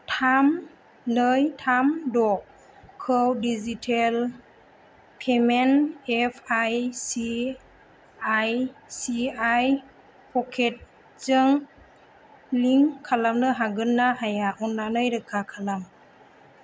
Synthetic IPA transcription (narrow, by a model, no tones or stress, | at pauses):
tʰam | nɯjtʰamdɔ | kʰɯwdizitʰel | pʰemenepʰajsi | ajsiaj | pʰɔkʰet̚ | t͡ʃɯŋ | liŋkʰalamnɯɦaɡɯnːaɦajaʔunːanɯjɾɯkʰakʰalam